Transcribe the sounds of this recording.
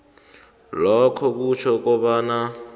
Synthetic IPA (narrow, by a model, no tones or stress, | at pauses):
lɔkʰɔk̬ut͡ʃʰɔk̬ʼɔɓana